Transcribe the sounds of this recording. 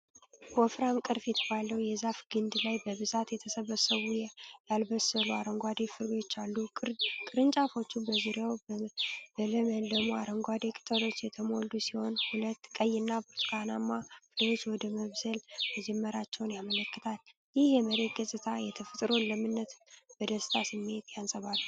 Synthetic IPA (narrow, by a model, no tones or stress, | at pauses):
bɔfɾamkʼɨɾfjɛt̪ʰəβaləwjɛzafɡɨnd̪lajbəβɨzat̪jɛt̪ʰəsəβəsəwujjalbəsəluaɾəŋɡʷad̪efɨɾot͡ʃːalːukʼɨɾkʼɨɾɨnt͡ʃʼafo̞t͡ʃːubəzuɾjaw | bələməld̪əmoaɾəŋɡʷad̪ekʼɨ̥t̪ʼəlo̞t͡ʃːjɛt̪ʰəmo̞ld̪usiho̞nhulət̪kʼəjːɪnːabɨɾt̪kʰanamːafɨlwo̞t͡ʃːwɔd̪əməβzəlməd͡ʒɛmːəɾat͡ʃːɛwnjamələkːɨt̪ʰal | jɪhjɛməɾe̞t̪̚ɡəsʼɨt̪ʰajɛt̪ʰəfɨt̪ʼɾo̞nləmɨnːət̪b̥əd̪əst̪ʰasɨmːe̞t̪ʰjansʼəβalːu